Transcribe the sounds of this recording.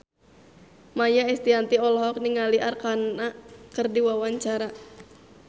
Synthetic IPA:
majaɛst̪iant̪iɔlɔɦɔk̚niŋaliʔarkanakərdiwawaɲt͡ʃaɾa

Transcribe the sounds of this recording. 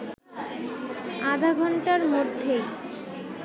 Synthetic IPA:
ad̪ʱaɡʱɔɳʈaɾmod̪ʱːej

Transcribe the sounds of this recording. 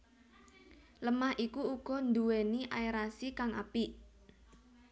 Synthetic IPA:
ləmahʔikuuɡ̥ɔ̤nd̪uweniʔajɾasikaŋa̰piʔ

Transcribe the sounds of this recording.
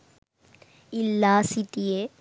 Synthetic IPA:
ilːaːsiʈije

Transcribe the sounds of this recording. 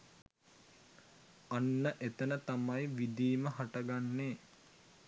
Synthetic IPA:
anːəʔet̪ənət̪amajʋid̪iːməɦaʈəɡanːeː

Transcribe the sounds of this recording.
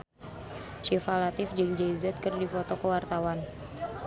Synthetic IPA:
ʃifalat̪ɪfd͡ʒɨŋd͡ʒɛzɛt̪̚kərdifɔt̪ɔkəwart̪awan

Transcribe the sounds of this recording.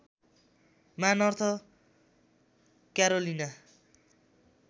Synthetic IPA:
manʌrt̪ʰʌ | kjaɾolina

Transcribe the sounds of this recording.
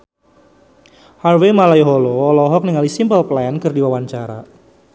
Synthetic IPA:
harwemalaiɦɔlɔɔlɔɦɔk̚niŋalisimpəlplɛnkərdiwawaɲt͡ʃaɾa̰

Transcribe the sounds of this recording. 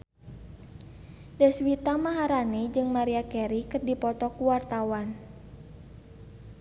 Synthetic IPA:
dɛswit̪amaɦaɾanid͡ʒɨŋmaɾiakɛɾikɨrdipɔt̪ɔkuwart̪awan

